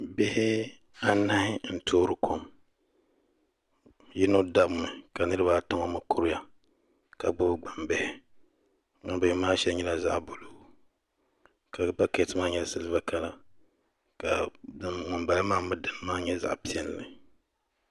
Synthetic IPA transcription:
bɪ˦hɪ˦ | a˦na˦hɪ˦n̩˨tʰoː˦ɾɨ˨kʰo˦m | ji˦no˦da˦bʊ˨nɨ˨ka˨nɨ˦ɾɨ˦βa˦˨ta˦ŋo˦mɨ˨kʊ˦ɾʊ˦ja˨ | ka˨ɡ͡bʊ˦bɨ˦ɡ͡ba˨mbɛ˦˨hɪ˨ | ma˨˦bɪ˦hɪ˦maː˦ʃɛ˦lɲɛ˦la˦za̰˦ʔbo˨lo˦˨ | ka˨ba˦ke˨tɨ˦maː˦ɲɛ˦˨sɨ˦lɨ˦ba˦ka˨la˨ | ka˨dɨ˨mŋʊ˨mba˨lɨ˦maː˦mɨ˦dɨ˨n˦maː˦ɲɛ˦za̰˨ʔpi˦ɛ˦n˨lɨ˨

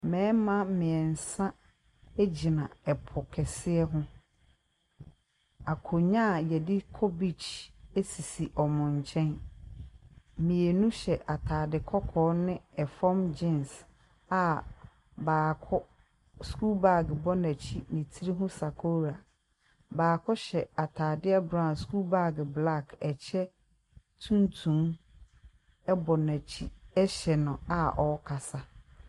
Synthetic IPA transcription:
mɛ̃ː˨˦mã˦mɪ̃˨ɛ˨n̩˨sã˦ | e˦d͡ʑi˨nã˨ɛ˨pʰʊ˨kʰɛ˨sɪ˦ɛ˦ɦʊ̃˦ | a˨kʰo˨ɲã˦˨jɛ˨dɪ˦kʰɔ˦bi˦t͡ʃe˦si˨si˨ʔɔ˨mʊ̃˨ɲ˨t͡ɕʰɛ̃˦n | mĩ˨e˨nũ˦ɕɛ˨ʔa˨tʰaː˨dɪ˨kʰɔ˦kʰɔː˨˦nɪ̃˦ɛ˨fɔ˦md͡ʑɪ̃˦ns | a˨ | baː˨kʰɔ˦ | sku˦lba˦˨ɡbɔ˦næ˨t͡ɕʰi˦nɪ̃˨tʰi˦ɾi˦ɦʊ̃˦sa˨kʰo˦ɾa˨ | baː˨kʰɔ˦ɕɛ˨a˨tʰaː˨dɪ˦a˦bɾã˦˨sku˦lba˦˨ɡɪ˨bla˦˨kɛ˨t͡ɕʰɛ˦ | tʰũ˦ntʰũ˨˦m | ɛ˦bɔ˨næ˨t͡ɕʰi˦ɛ˦ɕɛ˨nʊ̃˨a˨ʔɔ˨˦kʰa˨sa˦

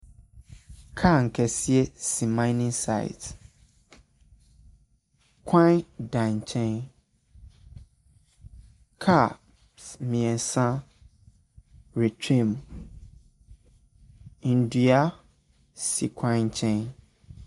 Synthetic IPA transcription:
kʰa˦˨ŋ̩˨kʰɛ˨si˦ɛ˦si˨mã˦ɪ˦nĩ˦nsa̰˦˨ɪ̰˨t | kʰã˦dã˨ɲ˨t͡ɕʰɛ̃˦n | kʰa˦˨ | mĩ˨ɛ̃˨sã˦ | ɾe˨t͡ɕʰẽ˦˨m | i˨n̩˨di˨a˦ | sḭ˨kʰã˦ɲ̩˨t͡ɕʰɛ̃˦n

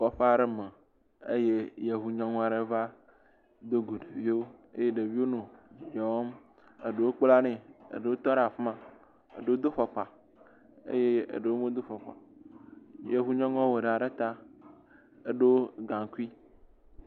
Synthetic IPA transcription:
kɔ˨ɸe˦a˨ɖe˦me˨ | ḛ˦je˦je˨ɦu˨ɲɔ̃˦ŋɔ̃˦a˨ɖe˦va˦ | d̪o˦ɡo˨ɖe˨vi˦o˦ḛ˦je˦ɖe˨vi˦wo˦nũ˨d͡ʒɔ˨˦m | ḛ˨ɖe˨wo˦k͡pla˦nẽ˨ḛ˨ɖe˨wo˦t̪ɔ˦ɖe˨a˨fe˦mã˨ | ḛ˨ɖe˦wo˦d̪o˦ɸɔ˨k͡pa˨ | ḛ˦je˦ḛ˨ɖe˨wo˦mẽ˦d̪o˦fɔ˨k͡pa̰˨ | je˨ɦu˦ɲɔ̃˦ŋɔ̃˦we˨ɖe˨a˨ɖe˦t̪a˦ | e˨ɖe˦ɡã˨ŋ˨ku˦i˦

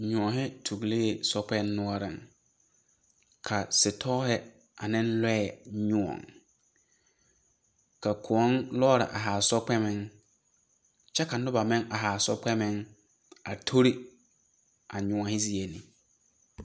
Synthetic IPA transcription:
ɲʊ̃˨ɔ˨ɦɪ˦tʰu˨ɡle˦˨sɔ˦k͡pɛ˦nː˦ʊ̃˦ɔ˦ɾɪ̰˨ŋ | kʰa˨sɪ˨tʰɔ˦ɦɪ˦ | a˨nɪ̃˦n˦lɛ˦ɛ˨ɲʊ̃˦ɔ̰˨ŋ | ka˨kʰʊ˨ɔ˦nlɔː˦ɾɪ̰˨ʔa˨ɦa˨sɔ˦k͡pɛ˦mɪ̃˦ŋ | t͡ʃɛ˦ka˨nʊ˦ba˨mɪ̃˦ŋʔa˨ɦa˨sɔ˦k͡pɛ˦mɪ̃˦ŋ | a˨tʰo˦ɾi˦ | a˨ɲʊ̃˨ɔ˨hɪ˦zi˦e˨nɪ̰̃˨

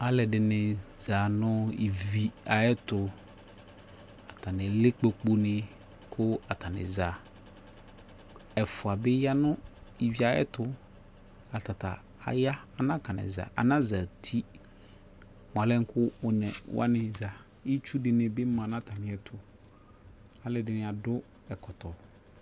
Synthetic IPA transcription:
a˨lɛ˨dɪ˨nɪ̃˨za˨nʊ̃˦i˨vi˨a˨ɛ˦tʊ˨ | a˨ta˨nɪ̃˨lɪ˦k͡pe˨k͡po˦nɪ̃˨ | kʰʊ˦a˨ta˨nɪ̰̃˨za˨ | ɛ˨fʊ˨a˨bɪ˦ja˦nʊ̃˦i˨vi˨a˨˦ɛ̰˦tʊ˦ | a˨ta˨ta̰˨ | a̰˨ja˦a˨nã˦ka˨nɪ̰̃˨za̰˨ʔa̰˨nã˦za˨tʰi˦ | m˨a˨lɛ˦ŋ̩˦kʰʊ˦ʊ˨nɛ˨wʔa̰˦nɪ̃˨za˨ | i˦t͡ʃu˦dɪ˨nɪ̃˨bɪ˦mã˨nã˦tʰa˨nɪ̃˨ɛ˨tʰʊ˨ | a˨lɪ˦dɪ˨nɪ̃˨a˨dʊ˦ | ɛ˨kɔ˨tɔ˨

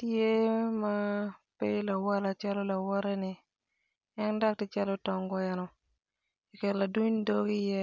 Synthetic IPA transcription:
tje˦ma˦pe˦la˨wa˦la˨t͡ʃa˦lo˦la˨wɔ˦ɾɛ˦nɪ˨ | ɛ˦nda˦k̚tɪ˦t͡ʃa˦lo˦tɔ˨ŋɡɔ˦ɛ˨nɔ˨ | i˨ke˨ɾla˨du˦ɲ˦do˦ɡi˦jɛ˦

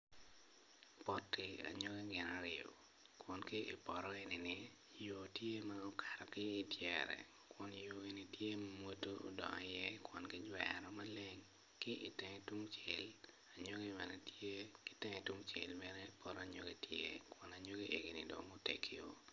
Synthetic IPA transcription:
pɔtːɪ˨a̰˨ɲo˦ɡi˦ɡɪ˨na˨ɾɪo̰˨ | kwɔ˨nki˦ʔḭ˨pɔ˨ɾɔ˦e˨nɪ˨nɪ˦ | jo˨tje˦mao˦kʰa˨ɾɔ˨kɪː˦tjɛɾɛ̰˨ | kwɔ˨n˨jo˨e˨ni˨tje˦mamwo˦to˦o̰˦dɔ̰˨ŋɔ̰˨jɛ˦kwɔ˨nkɪ˦d͡ʒwɛɾɔ˦ma˦le˦ŋ | kɪ˦ʔi˨tɛ˨ŋɛ˦twu˦ŋt͡ʃe˨l | a˨ɲo˦ɡi˦mɛ˨nɛ˨tje˦kɪ̥˦tɛ˦ŋɛ˨twu˦ŋt͡ʃḛ˨lmɛ˦nɛ˦i˨pʰɔ˨ɾɔ˦a˨ɲo̰˦ɡi˦tjḛ˦kɔ˨na˨ɲo˦ɡi˦ʔe˨ɡi˨nɪ˨dɔ̰˨mo˦tḛ˨kʰi˦o̰˦

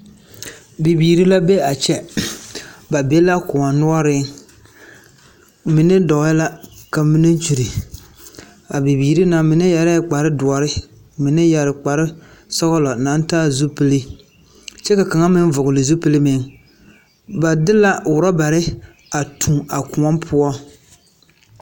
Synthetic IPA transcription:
bi˨biː˨ɾi˦la˦be˦a˨t͡ʃɛ˦ | ba˨bɛ˦la˦kʊ˨a˨nʊ˦ɔ˦ɾɪ˦ŋ | mɪ˨nɪ˦dɔ˨˦ɪ˦la˦ka˨mi˦ne˦n˦t͡ʃu˨ɾi˨ | a˨bi˨biː˨ɾi˦na˨mɪ˨nɪ˦ja˨ɾɛ˦˨k͡pa˨ɾɪ˦dʊ˨ɔ˨ɾɪ˦ | mɪ˨nɪ˦ja˨ɾɪ˨k͡pa˨ɾɪ˦ | sɔ˦ɣʊ˦lɔ˨na˨˦n˦taː˦zu˦pi˦li˦ | t͡ʃɛ˦ka˨ka˨ŋa˦mɪ˦n˦vʊ˨ɣʊ˨lɪ˨zu˦pɨ˦li˦mɪ˨˦ŋ | ba˨dɪ˦la˦wʊ˨ɾa˦ba˨ɾɪ˦ | a˨tʰu˨ma˨kʊ˨ŋɔ˦mpʰʊ˦ɔ˦

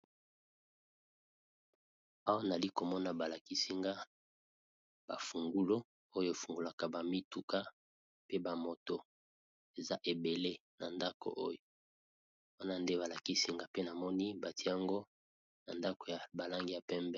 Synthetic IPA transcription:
a˦wa˦na˨li˦ko˨mɔ˦na˨ba˨la˨ki˦si˦ŋɡa˦ | b̥a̰˨fu˨ŋɡu˦lo˦ | o˦jo˦e˨fu˨ŋɡu˨la˨ka˨ba˨mi˦tu˨ka˦ | pe˦ba˨mo˨to˨ | e˨za˦ʔe˨be˨le˦na˨nda˦ko̰˨ʔo˦jo˨ | wa˦na˦nde˦βa˨la˨ki˦si˦ŋɡa˦pe˦na˨mɔ˦ni˦ba˨ti˦ja˨ŋɡo˦ | na˨nda˦ko˨ja˨ba˨la˦ŋɡi˨ja˨pɛ˦mbɛ˦

